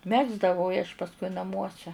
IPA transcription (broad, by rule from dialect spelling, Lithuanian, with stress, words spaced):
ˈmʲæːɡzdɐʋɐʊ ɪ ɐʃ pɐsˈkʊɪ nɐˈmuɔsʲɛ